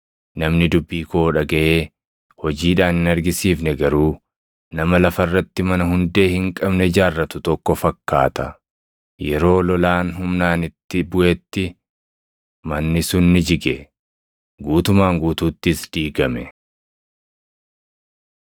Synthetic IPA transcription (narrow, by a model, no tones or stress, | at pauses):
nɐmnɪd̪ʊbːiːkoːᶑɐɡɐʔe̞ː | hɔd͡ʒiːᶑaːnɪnɐɾɡɪsiːfnɛɡɐɾuː | nɐmɐlɐfɐrːɐt̪ːɪmɐnɐɦʊnd̪e̞ːhɪŋkʼɐbnɛd͡ʒaːrːɐt̪ʊt̪ɔkːɔfɐkːaːt̪ɐ | jɛɾo̞ːlɔlaːnɦʊmnaːnɪt̪ːɪbʊʔɛt̪ːɪ | mɐnːɪsʊnːɪd͡ʒɪɡɛ | ɡuːt̪ʊmaːŋɡuːt̪uːt̪ːɪsd̪̥iːɡɐmɛ